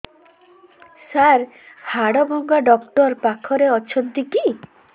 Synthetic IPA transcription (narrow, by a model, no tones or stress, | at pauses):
saɾ | haɽɔbʱɔŋɡaɖɔkʈɔɾpakʰɔɾeɔt͡ʃʰɔnt̪iki